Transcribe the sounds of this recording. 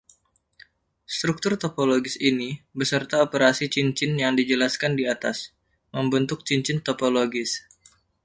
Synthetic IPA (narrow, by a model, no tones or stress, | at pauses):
st̪ɾuk̚t̪ʊrt̪opoloɡɪsinibəsərt̪aopəɾasit͡ʃiɲt͡ʃɪnjaŋdid͡ʒəlaskandiat̪as | məmbənt̪ʊk̚t͡ʃiɲt͡ʃɪnt̪opoloɡɪs